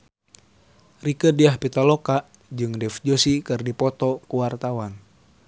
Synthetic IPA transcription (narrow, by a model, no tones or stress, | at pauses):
rikədiahpit̪alɔkaʔ | d͡ʒɨŋdɛfd͡ʒosikɨrdipɔt̪ɔkuwart̪awan